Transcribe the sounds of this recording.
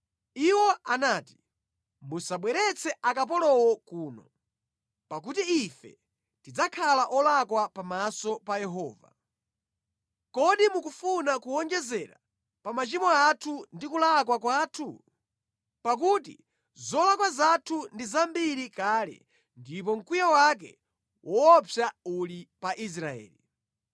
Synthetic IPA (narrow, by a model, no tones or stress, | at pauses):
iwɔanaːti̥ | musaɓwɛɾɛt͡sʰɛʔakap̬ɔlɔwɔkuːnɔ | pakutiifɛ̰ | tid͡zakʰalaʔɔlakwapamasɔpajɛɦɔːva̰ | kɔɗimukufunakuɔŋd͡ʒɛzɛɾa̰ | pamat͡ʃimɔatʰundikulak̬wak̬waːtʰu | pak̬utḭ | zɔlakwazatʰundizambiɾikaːlɛ̰ | ndip̬ɔŋ̩kijawak̬ɛ̰ | wʔɔɔpjaulipaʔis̬ɾaɛ̰ːli